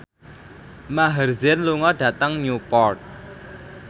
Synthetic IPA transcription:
maɦərzɪnluŋɔɖ̥ä̤t̪əŋɲupɔrt̪̚

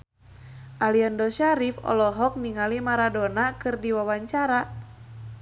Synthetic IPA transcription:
ʔaliɔndɔʃaɾifɔ̰lɔɦɔk̚niŋalimaɾadonakɨrdiwawaɲt͡ʃaɾa

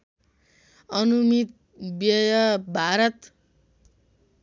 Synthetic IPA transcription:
ʌnumit̪̚ | bjʌjʌbʱaɾʌt̪

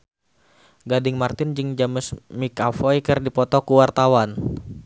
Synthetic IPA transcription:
ɡadɪŋmart̪ɪnd͡ʒɨŋd͡ʒaməsmikafɔikɨrdipɔt̪ɔkuwart̪awan

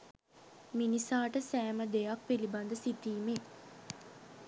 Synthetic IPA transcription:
minisaːʈəsæːməd̪ejak̚piliband̪əsit̪iːme

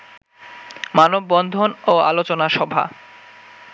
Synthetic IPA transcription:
manobːɔnd̪ʱonoa̰lot͡ɕonaʃɔbʱa̰

